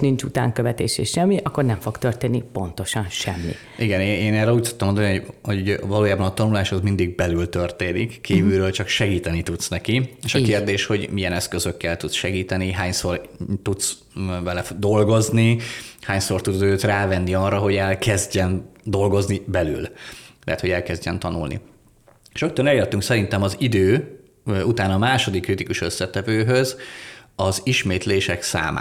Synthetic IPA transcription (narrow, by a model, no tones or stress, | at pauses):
nint͡ʃut̪a̰ːŋkøvɛt̪ḛːʃḛːʃɛmːiʔɒkːo̞rnɛɱfo̞ɡt̪ørt̪eːnːipo̞nt̪o̞ʃɒnʃɛmːḭ | ʔiɡɛneːeːnɛrɛluːc̚t̪u̥t̪ːɒmod̪nihoɟhouvɒloːjaːbɒnɒt̪ɒnulaːʃhozmind̪iɡ̚bɛlylt̪ø̞rt̪eːnikkʰːiːvylɾøːlt͡ʃɒkʃɛɡiːt̪ɛnit̪ut̪snɛkieːʃɒkerd̪eːʃho̞ɟmijɛnɛskøzø̞kːɛlt̪ut̪sʃɛɡiːt̪ɛniɦaːɲso̞rt̪ut̪s | vɛlɛd̪o̞lɡo̞znihaːɲso̞rt̪ud̪øːt̪raːvɛnːiɒrːɒɦo̞ɟɛlkɛzɟɛnd̪o̞lɡo̞znibɛly̰llɛ̰ɦɛ̰t̪ho̞ɟɛlkɛzɟɛnt̪ɒnṵlnʔḭ | ʃok̚t̪ønɛlert̪yŋksɛɾint̪ɛmɒzid̪øː | ut̪aːnɒmaːʃo̞d̪ikːrit̪ikuʃø̞sːɛt̪ɛvøːɦø̞zɒziʃmeːt̪leːʃɛksa̰ːmʔa̰ː